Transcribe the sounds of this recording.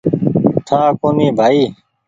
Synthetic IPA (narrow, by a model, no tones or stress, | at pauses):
t̪ʰãːkoːniːbʱaːiː